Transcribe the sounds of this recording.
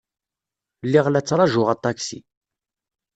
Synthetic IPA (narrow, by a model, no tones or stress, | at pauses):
lːiʁlæt͡sːɾˤɑʒʊʁæt̪ˤːɑksḭ